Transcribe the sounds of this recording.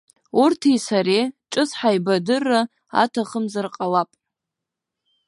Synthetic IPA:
urtʰisaɾeʈ͡ʂʼɨsħajbadɨrːa | a̰tʰaχəmzarqʼalapʼ

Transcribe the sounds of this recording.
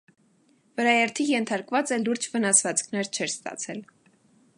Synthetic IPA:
vəɾɑjɛɾt̪ʰijɛnt̪ʰɑɾkvɑt͡sɛluɾd͡ʒvənɑsvɑt͡skʰnɛɾt͡ʃʰɛɾst̪ɑ̰t͡sʰɛl

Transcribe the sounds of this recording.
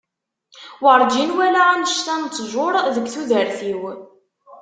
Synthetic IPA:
wəɾˤd͡ʒinwælaanəʃt̪ænt͡sːʒʊɾˤðəɡʷθuðəɾθiw

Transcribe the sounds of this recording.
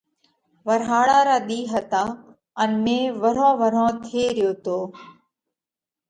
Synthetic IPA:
ʋəɾɦaːɽaːɾaːɗ̪iːɦət̪aː | ənmẽːʋəɾõːʋəɾõːt̪ʰeːɾɪjoːt̪oː

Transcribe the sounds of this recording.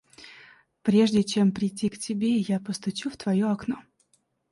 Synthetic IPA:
pɾʲe̞ʐdʲɪt͡ɕe̞mpɾʲɪtʲːiktʲɪbʲejapəst̪ʊt͡ɕuft̪vɐjoɐkno

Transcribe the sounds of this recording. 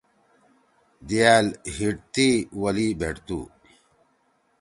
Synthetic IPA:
d̪iaːlhiʈt̪iwɐlibʱeʈt̪ṵː

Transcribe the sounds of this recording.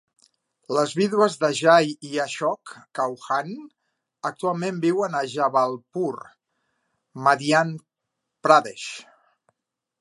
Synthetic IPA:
ləzβiðwəzðəʒajiaʃɔkːawxan | ək̚t̪ualˠmembiwənəʒaβalˠpuɾ | maðian | pɾaðeʃ

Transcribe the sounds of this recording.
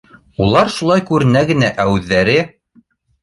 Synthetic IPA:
ulˠɑɾʃulˠɑjkʉɾɘ̆næɡɘ̆næʔæwʉðːæɾɘ

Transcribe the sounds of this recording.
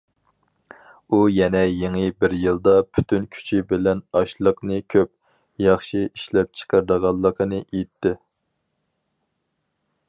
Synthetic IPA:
ujɛnɛjeŋɨbɪɾjɨlˠd̪ɑpʰy̥t̪ʰynkʲʰy̥t͡ʃʰibɪlɛnɑʃlˠəqnɨkʲʰøp̚ | jɑχʃiiʃlɛp̚t͡ʃʰə̥qʰəɾd̪əʁɑlˠːəqʰənɨʔejt̪ʰːɪ

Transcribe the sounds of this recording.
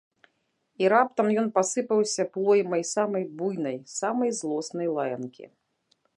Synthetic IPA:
iɾap̚t̪ɐmjɔnpasɨpɐwsʲɐplˠɔjmɐjsamɐjbujnɐjsamɐjzlˠɔsnɐjlˠajɐnkʲḭ

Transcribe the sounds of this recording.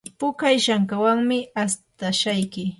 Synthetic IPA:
pʊkajʃaŋkawaŋmɪast̪aʃajkɪ

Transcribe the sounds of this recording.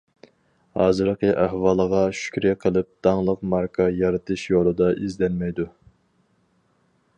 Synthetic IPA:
hɑ̰ːzɨɾəqʰəʔæhwɑːlˠəʁɑʃy̥kʲɾɛqʰəlˠɨp̚d̪̥ɑŋlˠəqmɑɾkʰɑjɑɾɨt̪ʰɨʃjolˠɨd̪ɑʔizd̪ɛnmɛjd̪u

